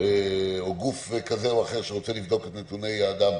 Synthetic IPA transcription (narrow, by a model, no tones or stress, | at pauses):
eoɡufkazeoaχe̞ʁʃeʁot͡selivd̪o̞ket̪net̪une̞jaːd̪am